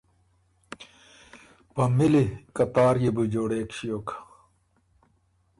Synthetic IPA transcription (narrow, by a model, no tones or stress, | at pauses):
pɐmilikɐt̪aːɾjibud͡ʑoːɽeːkɕijoːkʰḁ